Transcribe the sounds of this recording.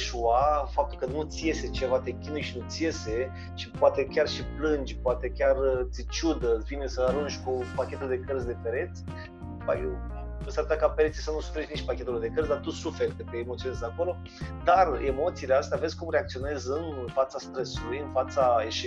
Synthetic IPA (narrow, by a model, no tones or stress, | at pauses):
ʃuafap̚kəkənut̪sije̞se̞t͡ʃe̞vat̪e̞kʲinujʃinut̪sije̞se | ʃipoat̪ekʲarʃiplɨnd͡ʒʲpoat̪ekʲart̪sit͡ʃud̪əvinesəaɾund͡ʒʲkupakʲet̪uld̪e̞kərzʲd̪e̞pe̞ɾe̞t̪sʲ | ba̰jew | əsaɾɨt̪akapeɾe̞t̪sisawnusu̥feɾet͡ʃʲniʃt͡ʃʲpakʲe̞t̪ulud̪e̞kərzʲd̪art̪usufe̞rʲked̪kəemot̪ionezako̞lo̞ | d̪aremo̞t̪sileast̪eavezʲkumreak̚t̪io̞ne̞zɨnfat̪sast̪ɾesulujɨnfat̪saeʃe